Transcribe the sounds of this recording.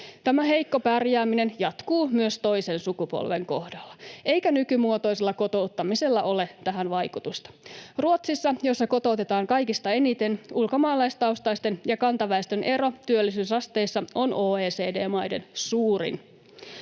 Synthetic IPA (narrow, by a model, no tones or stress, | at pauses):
t̪æmæɦejkːo̞pærjæːmine̞njɑt̪kuːmyøst̪o̞ise̞nsukupo̰lʋe̞ŋko̞hdɑlːɑe̞jkænykymuot̪o̞jselːɑko̞t̪o̞ut̪ːɑmise̞lːæʔo̞le̞t̪æɦænʋɑjkut̪ust̪ɑ̥ruot̪sisːɑjo̞sːɑko̞t̪o̞ːt̪et̪ɑːŋkɑjkist̪ɑe̞nit̪e̞nulko̞mɑːlɑjst̪ɑust̪ɑjst̪e̞njɑkɑnt̪ɑʋæest̪øne̞ɾo̞t̪yølːisyːsɑst̪e̞jsːɑo̞no̞ːeːseːdeːmɑjde̞̰nsuːɾḭn